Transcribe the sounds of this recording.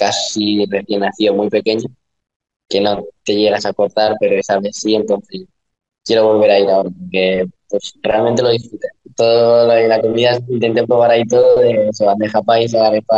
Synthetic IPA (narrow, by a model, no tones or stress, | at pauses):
kasire̞θje̞nːaθio̞mujpe̞ke̞ɲo | ke̞no̞t̪e̞ʝe̞ɣ̞asako̞ɾt̪aɾpe̞ɾo̞esaβe̞sie̞nt̪o̞nθes | kje̞ɾo̞β̞o̞lβ̞e̞ɾaiɾao̞ɾapoɾke̞pwe̞sre̞alment̪e̞lo̞ðisfɾut̪et̪o̞ðollako̞miðasint̪e̞nt̪epɾoβ̞aɾait̪o̞ðoðeseand̪exapaisaaɾefa